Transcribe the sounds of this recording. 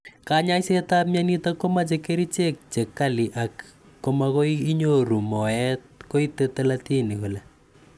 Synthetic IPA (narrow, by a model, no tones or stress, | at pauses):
kaɲajsetapmjanitakomat͡ʃekeɾit͡ʃek̚t͡ʃekːaliʔakː | omakoiiɲoɾumɔɛt̚koitetelatinikolɛ